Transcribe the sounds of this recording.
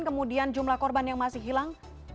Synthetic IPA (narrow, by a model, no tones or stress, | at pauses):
nkəmudiand͡ʒumlahkɔrbanjaŋmasɪhɦilaŋ